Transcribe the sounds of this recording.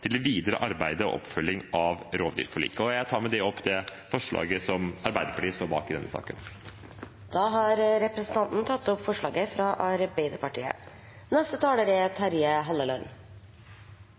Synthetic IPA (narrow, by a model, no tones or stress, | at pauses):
t̪ʰɪld̪ɛʋiːd̪əɾə̰ʔɑɾbæɪd̪əɔ̰ʔɔ̰pfœlːɪŋɑʋɾoːʋd̪y̰ːɾfɔɭḭːkəɔjæɪt̪ʰɑːɾmɛd̪ɛɔpːd̪ɛfɔʂɭɑ̰ːɡəsɔmɑɾbæɪd̪əɾpɑʈiːəst̪oːɾbɑ̰ːkɪd̪ɛnːəsɑ̰ːkə̰n | d̪̥ɑːɦɑɾɾɛpɾəsənt̪ɑnt̪n̩t̪ʰɑt̪ːɔpfɔʂɭɑ̰ːɡəfɾɑʔɑɾbæɪd̪əpɑʈḭːə̰ | nɛst̪ət̪ʰɑːləɾɛt̪ʰɑɾiːəɦɑlːəlœn